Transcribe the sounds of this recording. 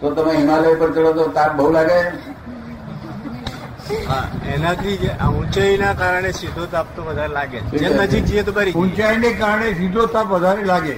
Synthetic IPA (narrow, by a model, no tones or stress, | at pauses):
t̪ot̪əmẽɦimalejpəɾt͡səɭot̪ot̪ap̚bʱəulaɡe | ɦã̰ɛnat̪ʰid͡ʑeʔa̰ũt͡ɕainakaɾɳesid̪ʱot̪ap̚t̪oʋəd̪ʱaɾelaɡelienəd͡ʑiːk̚d͡ʑijet̪ubaɾiũnt͡ɕainekaɾɳesid̪ʱot̪apʋəd͡z̪ʱaɾelaɡe